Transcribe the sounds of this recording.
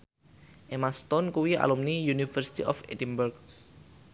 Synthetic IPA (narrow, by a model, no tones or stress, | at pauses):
ʔemast̪ɔnkuwia̰lumnijunifərsi̥t̪ḭʔɔ̰fḛdimbɛrk̚